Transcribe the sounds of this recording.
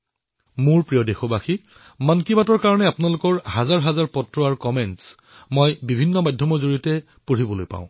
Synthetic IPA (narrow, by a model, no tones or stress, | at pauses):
muɹpɹijɔdexɔbaxi | mankibatɔɹkaɹɔnɛapʊnalʊkɔɹhazaɹɦazaɹpɔtɹɔaɹkɔmɛns | mojbibʱinːɔmajdʱjɔmɔzoɹitɛ | puɹibɔlojpã̰ʊ̃